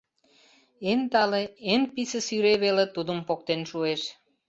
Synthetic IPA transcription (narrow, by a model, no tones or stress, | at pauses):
ent̪ɑleenpisəsyɾeβelet̪ud̪əmpok̚t̪enʃueʃ